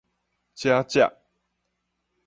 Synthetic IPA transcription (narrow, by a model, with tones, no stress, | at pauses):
t͡ɕja˦t͡ɕja̰˨ʔ